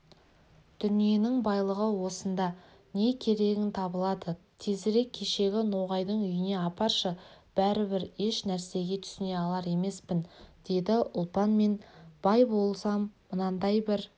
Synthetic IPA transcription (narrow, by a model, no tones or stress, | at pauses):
d̪̥ʏnije̞nɪŋbɑjlˠəʁəwo̞sənd̪ɑ | ne̞kʲʰe̞ɾe̞ɡʲɪnt̪ʰɑbəlˠɑd̪ə | t̪ʰezɪɾe̞kʲʰːe̞ʃe̞ɡʲɪno̞ʁɑjd̪əɴʏjɪne̞ɑpɑɾʃəb̥æɾɪbɪɾe̞ʃnæɾse̞ɡʲe̞t̪ʰʏ̥sɪne̞ɑlˠɑɾe̞me̞spɪnd̪̥e̞d̪ɪʔʊlˠpɑnme̞nb̥ɑjbo̞lˠsɑmːənɑnd̪ɑjbɪɾ